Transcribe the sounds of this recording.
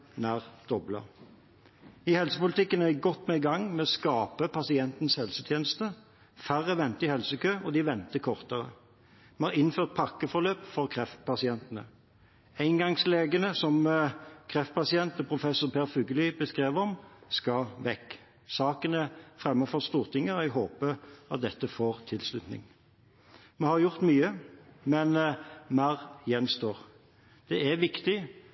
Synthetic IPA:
næːʁd̪̥ɔblə̰ | ɪhɛlsəpʊlɪt̪ʰɪkːənæɪɡɔt̪ːmɛɪɡɑŋːmɛːɔskɑːpəpʰɑsɪɛnt̪n̩shɛlsət̪ʰjeːnəst̪ə | fæʁːəʋɛnt̪əɪhɛlsəkʰøːʔɔd̪ɪʋɛnt̪əkʰɔʁt̪əʁə̰ | mɑːʁɪnføːʁt̪̚pʰɑkːəfɔʁløːpfɔʁkʰʁɛft̪̚pʰɑsɪɛnt̪ənə̰ | æɪnɡɑŋsleːɡənəsɔmkʰʁɛft̪̚pʰɑsɪɛnt̪ɔpʰʁʊfɛsʊʁpʰeːʁfʉːɡəlʏbəskʁeːʋɔmskɑʋɛkː | sɑːkənəfʁɛmːəføst̪uːʁt̪ʰɪŋːəʁæɛɪɦoːpəɑt̪̚d̪ɛt̪ːəfoːʁt̪ʰɪlslʉt̪nɪ̰ŋ | mɛhɑʁjʊʁt̪myːəmɛnmæʁjɛnst̪oːʁ | d̪̥ɛæʋɪkt̪ɪ

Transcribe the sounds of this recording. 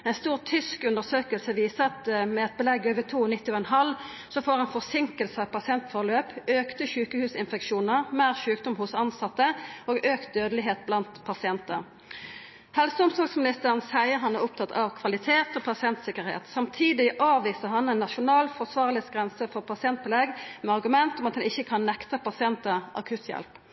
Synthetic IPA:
ɛɪnst̪uːʁt̪ʰʏskʉnd̪əʁsøːkəlsəʋiːsəɑt̪mɛɛt̪̚bəlɛɡːøːʋət̪ʰuːnɪt̪ːɪɔɛnɦɑl | sɔfoːʁɛɪnfɔʁsɪŋkəlsəɑpʰɑsɪɛnt̪fɔʁløːpøːkt̪əɕʉːkəhʉːsɪnfɛkʂuːnəʁmeːʁʃʉːk̚d̪ʊmhʊsɑnsɑt̪ːəoːɡøːkt̪̚d̪øːd̪əlɪɦeːt̪̚blɑnt̪pʰɑsɪɛnt̪əʁ | hɛlsəʊmsɔɡsmɪnɪst̪əʁənsæɪəʁɦhɑnæʁʊp̚t̪ʰɑt̪ʰːɑ̰ʋkʰʋɑlɪt̪ʰeːt̪oːpʰɑsɪɛnt̪sɪkːəʁhḛːt̪sɑmt̪ʰiːd̪ɪʔɑːʋiːsəʁhɑnɛnːɑʃʊnɑːlfɔʁsʋɑːʁlɪsɡʁɛnsəfɔʁpʰɑsɪɛnt̪̚pʰɪlɛɡmɛɑʁɡʉmɛnt̪ɔmɑt̪ɛnɪçːəkʰɑnːɛkt̪əpɑsɪɛnt̪əʔɑ̰kʰʉt̪ʰjɛ̰lp

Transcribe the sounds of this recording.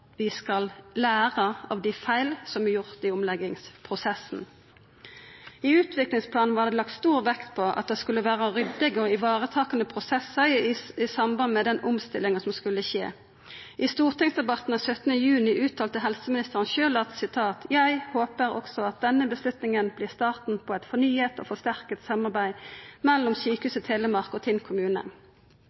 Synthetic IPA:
ʋɪskɑllæːʁəɑ̰ʋd̪ɪfæɪlsɔmjʊʁt̪ɪʊmlɛɡɪŋspʰʁʊsɛsn̩ | ɪʉːt̪ʰʋɪklɪŋspʰlɑːnn̩ʋɑːd̪ɛlɑk̚t̪st̪uːʁʋɛkt̪pʰɔʔɑ̰t̪̚d̪ɛskʉlːəʋæːʁəʁʏd̪ɪɡɔɪʋɑːʁət̪ʰɑːkənəpʰʁʊsɛsːæɪɪɪsɑmbɑnd̪mɛd̪ɛnʊmst̪ɪlːɪŋənsɔmskʉlːəʃḛː | ʔɪst̪uːʁt̪ʰɪŋsd̪ɛbɑt̪n̩əsœt̪ənəjʉːnɪʔʉːt̪ʰɑːlt̪əɦɛlsəmɪnɪst̪əʁənʃøːlɑt̪sɪt̪ʰɑːt̪ʰjæɪhoːpəʁɔ̰ɡsɔɑt̪̚d̪ɛnːəbəslʉt̪nɪŋənblɪːʁst̪ɑːʁt̪n̩pʰɔɛt̪fɔnyːət̪o̰ːfɔst̪æʁkət̪sɑmɑʁbæɪmɛlːɔmʃiːkhʉːsət̪ʰeːləmɑʁkɔt̪ʰɪnkʰʊmʉːnə̰

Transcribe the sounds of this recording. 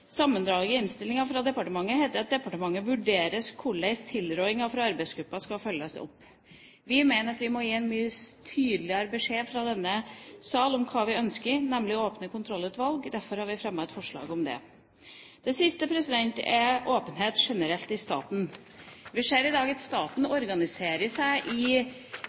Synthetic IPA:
sɑmːənd̪ɾɑːɪɡəɪnst̪ɪlːɪŋɑfɾɑd̪ɛpɑʈəmɑŋːəhɛːt̪əɑt̪̚d̪ɛpɑʈəmɑŋːəʋʉɖeːɾəskʰʊɭæɪst̪ʰɪlɾɔɪŋɑfɾɑɑɾbæɪsɡɾʉpːɑskɑfœljːəsɔ̰pː | ʋɪmeɪnəɾɑt̪ʋɪmɔjiːɛɪnmyːət̪ʰyːd̪əlɪəɾəbəʂeːfɾɑd̪ɛnːəsɑːlɔmkʰɑːʋɪœnskəɾnɛmlɪoːpnəkʰʊnt̪ʰɾɔlːət̪ʋɑlɡd̪æɾfɔɾhɑːɾʋɪfɾɛmːəɛt̪fɔʂɭɑ̰ːɡɔmd̪ɛ̰ | d̪̥ɛsɪst̪əpʰɾɛsɪd̪ɛnt̪ə̰ɛʔoːpənɦeːt̪ʂɛnəɾɛlt̪ɪst̪ɑ̰ːt̪n̩ | ʋɪʂeːɾɪd̪ɑːɡɑt̪st̪ɑːt̪n̩ɔɾɡɑnɪseːɾəsæɪʔɪ

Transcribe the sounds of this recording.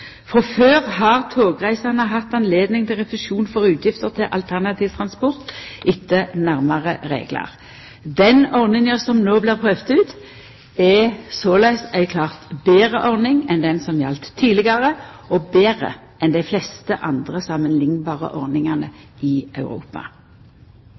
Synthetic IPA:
fʁɔføːʁhɑʁt̪ʰoːɡʁæɪsɑnəɦɑt̪ːɑnleːd̪nɪŋt̪ʰɪlʁɛfʉʃuːnfɔʁʉːt̪ʰjɪft̪əʁt̪ʰɪlʔɑ̰lt̪ʰæʁnɑt̪ʰiːʋt̪ʰʁɑnspɔʁt̪ʔɪt̪ʰːənæʁmɑʁəʁḛːɡlɑ̰ʁ | d̪ɛnɔʁnɪŋəʁsɔmnoːblɪːʁpʰʁœʋt̪ʉːt̪ | ɛsoːlæɪsæɪkʰlɑːʁt̪beːʁəʔɔʁnɪŋɛnd̪ɛnsɔmjɑlt̪ʰːiːlɪɡɑʁə | ɔbeːʁə̰ | ʔɛnd̪æɪflɛst̪əʔɑ̰nd̪ʁəsɑmːənlɪŋbɑːʁə̰ʔɔʁnɪŋɑnə | ɪʔɑ̰ʉʁṵːpɑ̰

